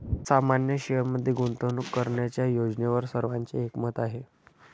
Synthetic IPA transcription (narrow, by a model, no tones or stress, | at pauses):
samanjəɕiəmːəd̪ʱːjeɡunt̪ənukːəɾɳjat͡ɕjajod͡ʑneʋəɾsəɾʋaɲt͡seekmət̪aɦe